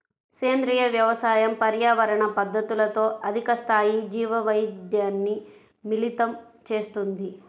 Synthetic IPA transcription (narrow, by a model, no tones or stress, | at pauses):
seːnd̪ɾijɐʋjɐʋɐsaːjɐmpɐɾjaːʋɐɾɐɳɐpɐd̪ʱːɐt̪ulɐt̪o̞ːʔɐd̪ʱikɐst̪ʰaːjid͡ʒiːʋɐʋɐjd̪jaːnːi | milit̪ɐm | t͡ʃe̞ːst̪und̪i